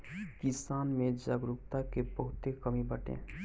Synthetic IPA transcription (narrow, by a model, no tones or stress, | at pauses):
kɪsaːnmẽd͡ʒaɡɾʊk̚t̪akebəɦʊt̪ekəmibəʈḛ̃ː